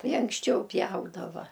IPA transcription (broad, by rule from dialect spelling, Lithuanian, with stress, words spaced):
ˈtɐɪ ɐŋksʲˈt͡ʃʲɛʊ ˈpʲjɛʊdɐʋɐ